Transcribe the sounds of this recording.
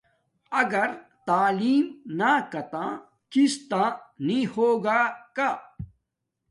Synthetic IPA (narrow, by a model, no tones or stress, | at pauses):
ɐɡɐɾt̪aːliːmnakɐt̪ãː | kist̪ãːnĩhoːɡaka